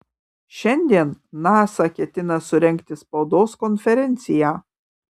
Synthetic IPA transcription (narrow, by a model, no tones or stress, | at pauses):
ʃʲɛnʲd̪ʲiɛnːɑːsɐkʲɛt̪ʲɪnɐsʊɾʲɛŋʲkt̪ʲɪspɐʊd̪oːskɔnʲfʲɛɾʲɛnʲt̪sʲɪjæː